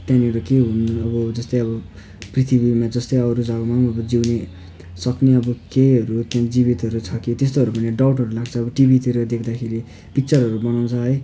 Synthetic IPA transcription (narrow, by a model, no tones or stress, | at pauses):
t̪jãniɾʌkeɦunʌbʌd͡zʌst̪ʌjʌbʌ | prit̪ʰibimad͡zʌst̪ʌjʌɾud͡zʱʌɡʌmaʌbʌd͡ziwne | sʌkneʌbʌkeɦʌɾut̪jãd͡zibit̪ʌɾut͡sʰʌkit̪est̪oɦʌɾupʌniɖawʈɦʌɾulaɡt͡sʰʌːbʌʈibit̪iɾʌd̪ekʰd̪akʰeɾi | pik̚t͡sʌrɦʌɾubʌnaw̃t͡sʰʌɦʌj